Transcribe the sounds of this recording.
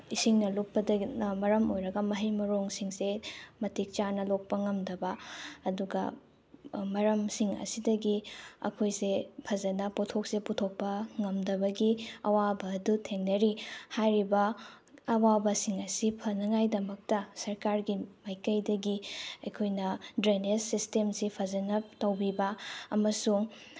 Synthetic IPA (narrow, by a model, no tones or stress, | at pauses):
isiŋnɐluk̚pɐdɐmɐɾɐmojɾɐɡɐmɐɦɐjmɐɾoŋsiŋsemɐtʰik̚t͡ʃanɐlok̚pɐŋɐmdɐbɐːduɡɐ | mɐɾɐmsiŋɐ̰sidɐɡiɐ̰kʰojsepʰɐzɐnɐpotʰok̚seputʰok̚pɐŋɐmdɐbɐɡiɐwabɐːdutʰeŋnɐɾihajɾibɐ | ɐwabɐsiŋɐsipʰɐnɐŋajdɐmɐk̚tɐsɐɾkaɾɡimajkɐjdɐɡiɐjkʰojnɐdɾenesːistemsipʰɐzɐnɐp̚tɐwbibɐːmɐsuŋ